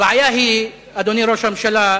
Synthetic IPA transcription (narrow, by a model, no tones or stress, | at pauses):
aʕajaːɦi | ad̪oniɾoʃamʃela